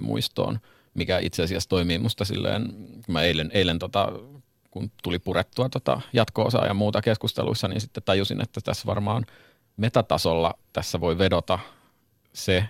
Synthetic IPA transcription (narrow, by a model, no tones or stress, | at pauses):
mṵist̪o̰ːn | mikæḭt̪seɑsiæst̪oimiːmust̪ɑsḭlːḛːnkummæeileneilent̪ot̪ɑ̰ | kunt̪ulipuret̪ːuɑt̪ot̪ɑ̰jɑt̪ko̰ːsɑ̰ːjɑmuːt̪ɑkeskust̪ḛlṵisːɑnḭːnsit̪ːett̪ɑjusinʔḛt̪ːæt̪æsʋɑ̰rmɑːn | met̪æt̪ɑsolːɑt̪æsːæʋoiʋedot̪ɑ | se